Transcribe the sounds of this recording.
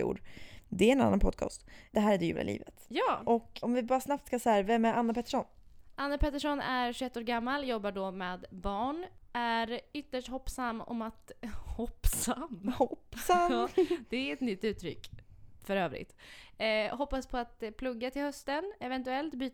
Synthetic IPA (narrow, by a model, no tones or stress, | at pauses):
ṵːɖd̪ɛæɾɛnanːanpʰɔd̪̚kʰɑ̰ːst̪d̪̥ɛɦæːɾæɖɛjʉ̰ːla̰lʔḭːvə̰t̪jɑːʔɔkɔmvɪbɑːɾasnap̚t̪skasɔhæːɾvɛmːæɾanːapʰɛt̪ːəʂɔnʔanːapʰɛt̪ːəʂɔnæɾɧʉɛt̪ːoːɾɡamːaljɔbːaɖɔmeːd̪bɑːɳʔæɾʏt̪ːəʂʈhɔpːsamːɔ̰mat̪hɔpːsamːhɔpːsamɑːd̪ɛæɾɛt̪nʏt̪ːʉ̟ːt̪ʰːɾʏ̰kːfœɾøːvɾɪ̰t̪ː | hɔpːaspʰɔat̪pʰlɵɡːat̪ʰɪlhœst̪ənɛvɛnt̪ɵɛlt̪byːt̪